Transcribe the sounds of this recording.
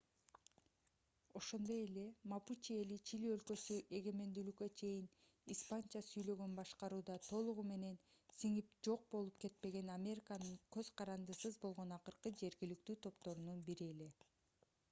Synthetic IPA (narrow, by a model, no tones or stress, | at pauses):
o̞ʃo̞nd̪o̞je̞le̞maput͡ʃie̞lit͡ʃʰiliø̞lkø̞syʔe̞ɡe̞me̞nd̪ylykːø̞t͡ʃʰe̞jin | ispanʲt͡ʃasyjlø̞ɡønbɑʃqɑɾuːd̪ɑt̪ʰo̞lˠuʁume̞ne̞nsiŋip̚d͡ʒo̞q̚bo̞lˠupke̞t̪̚pe̞ɡe̞namʲe̞ɾʲikanɯɴkø̞z̥qʰɑɾɑnd̪ɯsɯzbo̞lˠʁo̞nɑqɯɾqɯd͡ʒe̞ɾɡilyk̚t̪yːt̪ʰo̞pt̪o̞ɾununbiɾie̞le̞